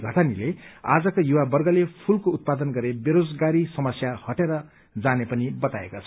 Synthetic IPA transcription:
ɡʱʌt̪ʰanilea̰d͡zʌkojuwabʌrɡʌlepʰulkout̪̚pad̪ʌnɡʌɾebeɾod͡zɡaɾisʌmʌsjahʌʈeɾʌ | d͡zanepʌnibʌt̪aḛkot͡sʰʌ̥

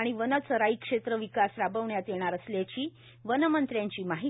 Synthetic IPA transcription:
aɽ̃iʋənət͡səɾaikʂet̪ɾəʋikasɾabəʋɳjat̪jeɽ̃aɾəsljat͡ɕiː | ʋənəmənt̪ɾjãɲt͡ɕiːmaɦi

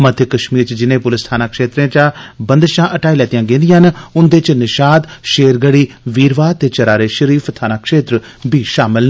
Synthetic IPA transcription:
mət̪ʰjəkəʃmiːɾt͡ʃd͡ʒɪnẽːpʊlɪst̪ʰaːnaːkʃeːt̪ɾẽːt͡ʃaːbə̃nd̪ʃãːʔəʈaːiːlɛːt̪ijãːɡẽːnd̪ɪjãnʊnd̪eːt͡ʃnɪʃaːd̪ʃeːɾɡəɽiː | ʋiːɾʋaːt̪eːt͡ʃəɾaːɾeːʃəɾiːfʰt̪ʰaːnaːkʃeːt̪ɾəbʱiːʃaːmɪln

